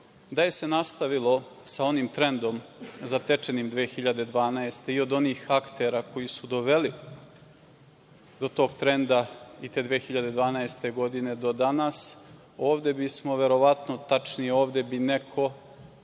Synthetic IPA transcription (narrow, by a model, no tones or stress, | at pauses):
d̪aje̞se̞nast̪aʋilo̞ | sao̞nimt̪ɾe̞nd̪o̞mzat̪e̞t͡ʃe̞nimd̪ʋeːxiʎad̪e̞d̪ʋaːnaest̪e̞io̞d̪o̞niːxakt̪e̞ɾako̞jisud̪o̞ʋe̞li | d̪o̞t̪o̞ːɡt̪ɾe̞nd̪ait̪e̞ːd̪ʋeːxiʎad̪e̞d̪ʋaːnaest̪e̞ɡo̞d̪ine̞d̪o̞d̪anas | o̞ːʋd̪e̞bismo̞ʋe̞ɾo̞ʋat̪no̞t̪at͡ʂnijeo̞ːʋd̪e̞binekʰo̞